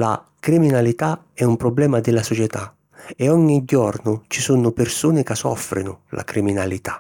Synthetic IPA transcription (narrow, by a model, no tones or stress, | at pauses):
la̰ | kɾiminalit̪a | ɛumpɾɔblɛːmad̪ɪlasɔt͡ʃɛt̪a | ɛɔɲːiɟːɔrnʊt͡ʃisunʊpɪrsuːnɪkasːɔ̰fɾɪ̰nʊlʔa̰kɾiminalit̪ḁ